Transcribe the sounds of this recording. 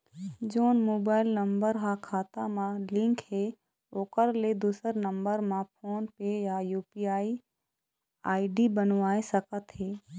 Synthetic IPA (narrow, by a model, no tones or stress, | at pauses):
d͡ʒoːnmoːbaːɪlnə̃mbəɾɦãkʰaːt̪amãlɪ̃ŋkɦe | oːkəɾled̪uːsəɾnə̃mbəɾmãpʰoːnpeːjajuːpiaːi | aːiɖibənʋaːesəkət̪ɦeː